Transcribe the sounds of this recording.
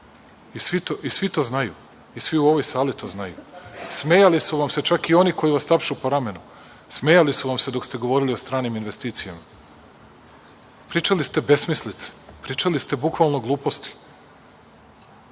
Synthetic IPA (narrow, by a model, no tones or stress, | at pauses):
isʋit̪oʔisʋit̪o̞ːznajṵ | isʋiuo̞ʋo̞jsaːlit̪o̞ːznajṵsmejalisuʋamse̞t͡ʃakio̞niko̞jiʋast̪apʃupoɾame̞nu | smeːjalisuʋamse̞d̪o̞kst̪e̞ɡo̞ʋo̞ːɾilio̞st̪ɾaːniminʋe̞st̪iːt̪sijama | pɾiːt͡ʃalist̪e̞be̞smislit̪se̥pɾiːt͡ʃalist̪e̞bukʋalˠno̞ɡlˠuːpo̞st̪i̥